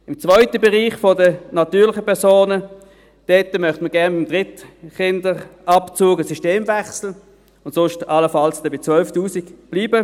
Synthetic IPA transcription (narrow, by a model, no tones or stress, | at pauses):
ɪmt͡svœʏtəbɛʁiːχfodənɑtyːɐʁlɪχəpɛɐsoːnə | d̥ɛːtəmœχtməɡɛɐnbɪmdʁɪtχɪndəʁʔɑpt͡suːɡəsyʃteːmvɛχsl̩ | ʊntsʊʃtɑləfɑlsd̥ɛbɪt͡svœlftuːsiɡb̥liːbə